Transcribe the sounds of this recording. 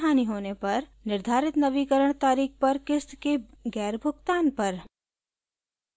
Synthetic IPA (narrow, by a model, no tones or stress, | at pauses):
ɦaːniɦoːnepɐɾnɪɾd̪ʱaːɾɪt̪nɐʋikəɾəɽ̃t̪aːɾiːk̚pɐɾkɪst̪keɡɛːɾbʱʊɡt̪aːnpɐɾ